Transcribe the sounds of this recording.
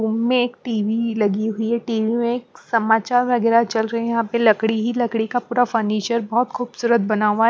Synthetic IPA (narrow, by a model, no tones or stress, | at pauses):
uːmːẽeːk̚ʈiːʋilɐɡiɦʊiɦɛʈiːʋimẽeːksɐmaːt͡ʃaːɾʋɐɡɛːɾat͡ʃɐlɾɐɦẽjɐɦãpelɐkɽiɦilɐkɽikapuːɾafəɾniːt͡ʃəɾbɔɦːt̪xuːbsuːɾət̪̚bɐnaːʋa